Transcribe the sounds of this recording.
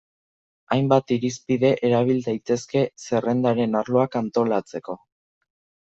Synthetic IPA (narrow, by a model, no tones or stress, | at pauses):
ajmbat̪iɾispiðe̞ʔeɾaβ̞ild̪ajt̪e̞ske̞se̞re̞nd̪aɾe̞naɾlo̞akant̪o̞lat͡se̞ko̞